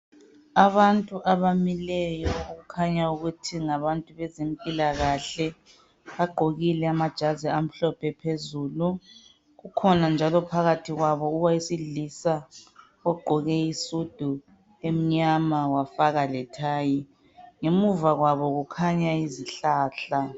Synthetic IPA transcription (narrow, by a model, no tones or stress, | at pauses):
aβantʼuʔaβamilɛjɔuɣukʰaɲauɣutʰiŋaβantʼuβɛzempʼilaɣaɬɛ | βaɡ͡ǃʱoɣilɛamad̥ʒ̥ʱaziam̩ɬɔpʰɛpʰezuːlu | ɣukʰɔnand͡ʒʱalɔpʰaɣatʰiɣwaβɔuwaisiɮisa | ɔɡ͡ǃʱɔɣɛisud̥ʱu | em̩ɲamawafaɣalɛtʰaːji | ŋemuvaɣwaβɔɣukʰaɲaiziɬaːɬa